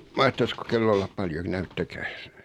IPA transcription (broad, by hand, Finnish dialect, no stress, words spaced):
mɑhtɑsko kelːo olːɑp pɑljon næytːækæːs